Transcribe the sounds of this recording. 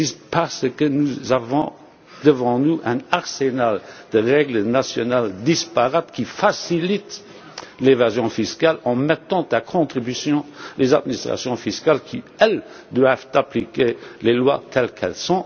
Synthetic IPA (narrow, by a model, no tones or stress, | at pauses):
ispaʁsəkənuzavɔ̃ | d̪̥əvɑ̃nuʔɛ̃naʁsenald̪̥əʁɛɡlənasjɔnald̪ispaʁat̪kifasilit̪ | levazjɔ̃fiskalɑ̃mɛt̪ɑ̃t̪akʰɔ̃t̪χibysjɔ̃leza̰d̪minist̪χa̰sjɔ̃fiskalkʰi | ɛl | d̪wavt̪aplikelelwat̪ʰɛlkʰɛ̰lsɔ̃